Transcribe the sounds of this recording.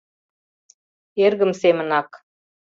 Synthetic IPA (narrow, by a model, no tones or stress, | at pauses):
eɾɣɘ̆msemə̆nɑk